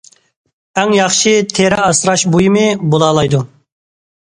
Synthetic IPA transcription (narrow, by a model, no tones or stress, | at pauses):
ɛŋjɑχʃit̪ʰeɾɛɑsɾɑʃbojimɨbolˠɑːlˠɑjd̪u